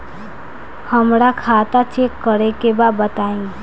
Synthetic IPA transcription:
həmɾakʰat̪at͡ʃʰekəɾekebabət̪aĩ

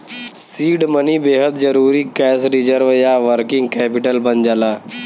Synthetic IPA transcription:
siːɖməniːbeɦəd̪̚d͡ʒəɾuːɾiːkɛsɾid͡ʑəɾʋjaʋəɾkiŋɡkɛpiʈəlbənd͡ʒala

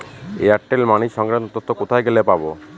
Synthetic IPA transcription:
eaʈːelmaniʃɔŋkɾant̪ot̪ot̪ːokot̪ʰajɡelepabo

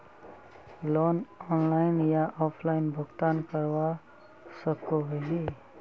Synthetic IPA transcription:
loːnɔːnlaɪnjaʔɔːpʰlaɪnbʱʊɡt̪ankəɾwa | səkoɦɦi

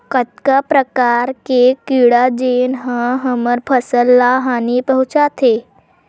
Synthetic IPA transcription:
kət̪̚kapɾəkaɾkekiɽad͡ʑenɦə̃ɦəməɾpʰəsəlːaɦanipəɦũt͡ʃat̪ʰe

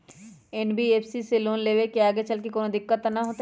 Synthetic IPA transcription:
ɛnbieːpʰsiseloːnleːʋekeaːɡet͡ʃɐlkekoːnõd̪ɪkːət̪ːnɐɦoːt̪

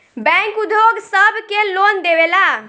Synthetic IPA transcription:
bɛ̃ŋkud̪ʱjoɡsəbʱkelond̪ewela

